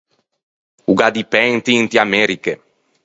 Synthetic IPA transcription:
uɡad̪ipɛŋt̪int̪iamɛɾike

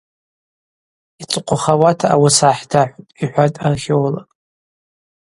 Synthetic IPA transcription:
it͡sʷʼqʷʰʼʊχawatʰaawasaħdaħʷtʼiħʷatʼarχʲewla

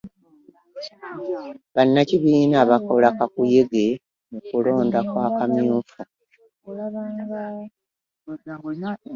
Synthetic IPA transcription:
βanːaciβiːnaːβako̞lakakuje̞ɡe̞ | nukulo̞ːndakwaːkamjuːfa

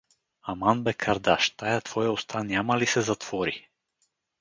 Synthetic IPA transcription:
amanbɛkʰaɾd̪aʃt̪ajat̪vɔjaɔst̪ʰaniamalisɛzat̪vɔɾi

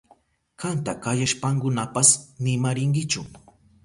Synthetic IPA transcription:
kant̪akajaʃpaŋkʊnapasnɪmaɾɪŋɡɪt͡ʃʊ

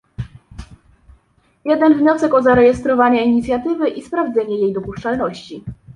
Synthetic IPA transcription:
jɛd̪ɛnvɲɔsɛkɔzaɾɛjɛst̪ɾɔvaɲaiɲit̪sʲjat̪ɘvɘʔispɾavd̪zɛɲɛjejd̪ɔpuʂt͡ʂalnɔɕt͡ɕi

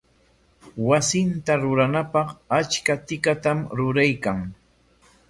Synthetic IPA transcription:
wasɪnt̪aɾʊɾanapɑχat͡ʃkat̪ɪkat̪amɾʊɾajkaŋ

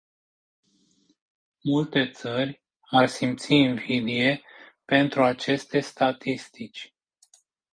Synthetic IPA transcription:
mult̪e̞t̪sərʲ | arsimt̪siːnvid̪ie̞pe̞nt̪ɾuat͡ʃe̞st̪e̞st̪at̪ist̪it͡ʃʲ

